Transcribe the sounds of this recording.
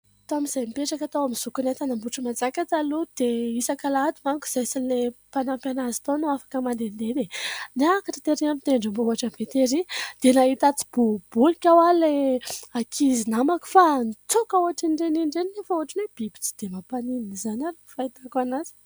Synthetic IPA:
t̪amiz̥ajmipeʈ͡ʂakat̪awamiz̥ukunat̪anambuʈ͡ʂumand͡zakʲat͡s̪alud̪̥eisakalad̪imaŋku̥z̥ajsilepanampjanazi̥t̪onuafḁkəmand̪end̪eneneakaʈ͡ʂat̪eɾiamit̪eɳɖ͡ʐambouaʈ͡ʂəbet̪eɾid̪̥enait̪at͡si̥b̥ub̥ulikʲawaleakʰizinamaku̥fanit͡sokauaʈ͡ʂiɳɖ͡ʐeniɳɖ͡ʐeninefauaʈ͡ʂineb̥ibi̥t͡si̥d̪̥emapanininizanaɾufait̪akanazi̥

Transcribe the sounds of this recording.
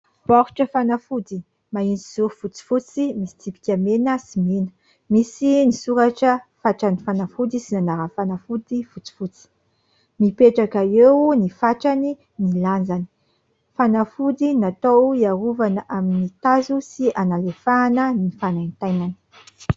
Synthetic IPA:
pɔɾʈ͡ʂəfanafud̪i | maind͡ziz̥uɾfut͡si̥fut͡simisi̥t͡s̪ipi̥kʲamenəsimenə̥ | misinisuɾaʈ͡ʂəfaʈ͡ʂanifanafud̪isinanaɾəfanafud̪ifut͡si̥fut͡si̥ | mipeʈ͡ʂakaewnifaʈ͡ʂani | niland͡zani̥ | fanafud̪inat̪owiaɾuvanəʔaminit̪azusianalefaːnənifanajnt̪ajnani̥

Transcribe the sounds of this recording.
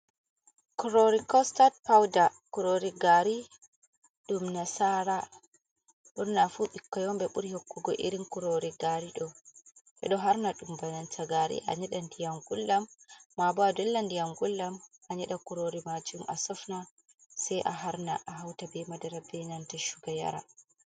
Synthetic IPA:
kuɾoɾikɔstad̚pawdakuɾoɾiɡaɾi | ɗumnasaɾa | ɗuɾnafuɓikːɔjɔmbɛɓuɾihokːuɡɔ̰ʔḭɾinkuɾoɾiɡaɾiɗɔʔɛ̰ɗɔɦaɾnaɗumbanantʰaɡaɾḭʔa̰ɲɛɗandijaŋɡulːamːabadɛlːandijaŋɡulːamaɲɛɗakuɾoɾimad͡ʒumʔa̰sɔfna | sɛjʔaɦaɾnaʔaɦawtabɛmadaɾabɛnantaʃuɡaja̰ɾa̰

